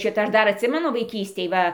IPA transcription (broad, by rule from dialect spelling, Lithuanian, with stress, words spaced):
ˈʃʲɪtɐ ˈɐʃ ˈdɐr ɐtʲˈsʲɪmʲɛnʊ ʋɐɪˈkʲiːsʲtʲeːj ˈʋɐ